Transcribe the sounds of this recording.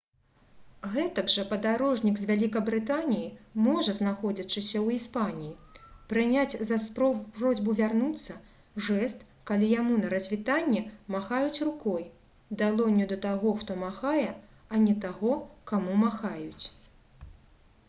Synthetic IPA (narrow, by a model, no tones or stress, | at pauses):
ɣɛt̪ɐɡʐɐpɐd̪aɾɔʐnʲiɡzʲvʲalʲikɐbɾɨt̪anʲijimɔʐɐznaxɔd͡zʲɐt͡ʂɨsʲɐwispanʲijipɾɨnʲat͡sʲzɐspɔprɔzʲbuvʲarnut̪sːɐ | ʐɛst̪ | kalʲijamunɐɾɐzʲvʲit̪anʲːɛmaxajut͡sʲrukɔj | d̪alˠɔnʲːud̪ɐt̪aɣɔxt̪ɔmaxajɛɐnʲɛt̪aɣɔkamumaxajut͡sʲ